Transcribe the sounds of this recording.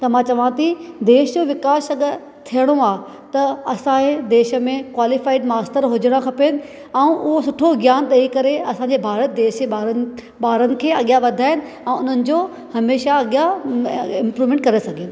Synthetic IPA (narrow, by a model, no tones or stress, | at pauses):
t̪ɐmãt͡ɕɐʋãt̪ʰid̪eːʃd͡ʑoːʋɪkaːʃɐɠ | t̪ʰijəɽ̃oaː | t̪ɐɐsãed̪eːʃə̆mẽkwaːlɪfaːɪɖmaːst̪əɾɦʊd͡ʑəɽ̃akʰɐpeːnɪ̆ | ɛ̃ũʔʊɦosʊʈʰoɡjaːnɗ̪ɐikɐɾeɐsãːɲd͡ʑebʱaːɾət̪̚d̪eːʃeaɾ | ɓaːɾənɪ̆kʰeːɐɠijaʋɐd̪ʱaːɦɪnɪ̆ | ɛ̃ːʊn̤ənɪ̆d͡ʑoː | hɐmeːʃaɐɠija | ɪ̃mpɾuːʋmẽːɳʈkɐɾesɐɡʱeːn